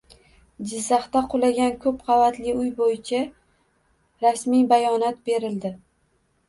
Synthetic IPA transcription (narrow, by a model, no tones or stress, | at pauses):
d͡ʒɪzːɑχt̪aqʰolˠaɡʲankʲʰɵp̚qʰɑvat̪lɪʊjbojɪt͡ʃʰa | ɾasmibajɒnat̪be̞ɾɪld̪ɪ